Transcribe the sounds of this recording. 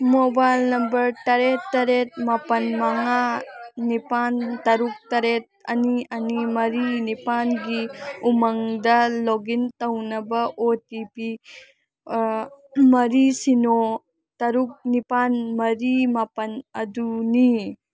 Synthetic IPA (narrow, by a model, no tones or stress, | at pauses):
mobajlnɐmbɐɾtɐɾetːɐɾet̚mapɐnmɐŋanipantɐɾuk̚tɐɾet̚ɐ̰niɐnimɐɾinipanɡiumɐŋdɐloɡintɐwnɐbɐʔotipi | mɐɾisino | tɐɾuk̚nipanmɐɾimapɐnɐduni